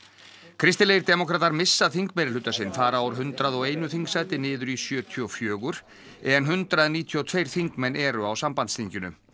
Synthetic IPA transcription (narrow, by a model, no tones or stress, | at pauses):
kʰɾɪst̪ɪlejɪɾt̪ɛːmɔkʰɾaːt̪aɾmɪsːaðθiŋkmɛɾɪl̥ʏt̪ːasɪnfaːɾaawɾ̥ɦʏnt̪ɾaðɔɣeːjnʏθiŋksajt̪ɪnɪːðʏɾisjœːt̪ʰiɔfjœːɣʏɾ̥ | ɛðɛnɦʏnt̪ɾaðniːt̪ʰiɔt̪ʰvejɾ̥θiŋkmɛnːɛːɾʏawsampant̪st̪iɲcʏnʏ̰